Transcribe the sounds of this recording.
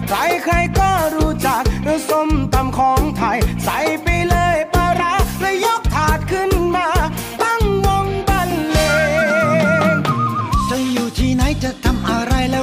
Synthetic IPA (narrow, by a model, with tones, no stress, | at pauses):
kʰɾa˨˧˦jkʰɾa˧jkɔː˥˩ɾuː˧˥t͡ɕa˨˩k̚ɾɯː˨˦so˧mt̪a˧mkʰɔː˨˦ŋt̪ʰa˧jsa˨˦˥jpa˧jlɤː˧jpaː˧ɾa˧˥ɾa˧˩jo˦˥k̚t̪ʰaː˨˩t̪̚kʰɯ˧˥˩nmaː˧ | t̪a˥˩ŋwo˧ŋba˧˩nleː˧ | nt͡ɕa˧˩juː˨˩t̪ʰiː˧na˨˥jt͡ɕa˨˩t̪ʰa˧mʔa˧ɾa˧jlɛː˦˧˥